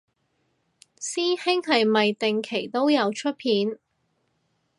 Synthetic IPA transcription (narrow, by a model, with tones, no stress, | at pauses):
siː˥nhɪ˥ŋhɐ˨jmɐ˨jt̪ɪ˨ŋkʰe˨˩jt̪o˥wjɐ˨˧wt͡ʃʰɵ˥t̚pʰiː˨˥n